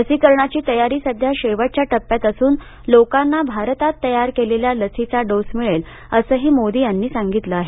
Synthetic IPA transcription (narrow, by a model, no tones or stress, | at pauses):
əsikəɾɳat͡ɕiːt̪əjaɾiːsəd̪ʱjaɕeʋəʈ̚t͡ɕjaʈəpːjat̪əsuːn | lokanːabʱaɾt̪at̪ːəjaɾkeleljaləsit͡saɖosmiɭel | əsəːɦiːmod̪iːjanːiːsaŋɡit̪ləaɦe